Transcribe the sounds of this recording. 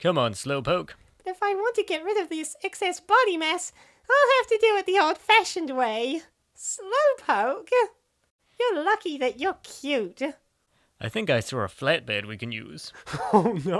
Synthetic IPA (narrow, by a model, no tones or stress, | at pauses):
kʰʌ̃mə̃nsloʊpʰoʊk | b̥ʌɾɨfaɪwɑ̃ntɨɡɛt̚ɹɪɾʌvðɪsɛksɛsb̥ɑɾimɛs | aɪlˠhæftɨdɨɨt̪̚ðioʊlˠd̥fæʃɨ̃nd̚weɪ | sloʊpʰoʊk | jə˞lʌkiðɨt͡ʃə˞kʰj̥ʉt | aɪθɪ̃ŋkaɪsəɹə̰flæt̚b̥ɛ̰d̚wikɨ̃njʉ̰z̥ | no